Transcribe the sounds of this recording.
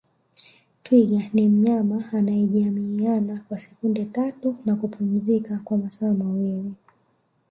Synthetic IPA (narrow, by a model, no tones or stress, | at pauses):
twiɠanim̩ɲamaːnaɛʄiamianakwasɛ̥kundɛtatunakupʰum̩zikakwamasaːmawili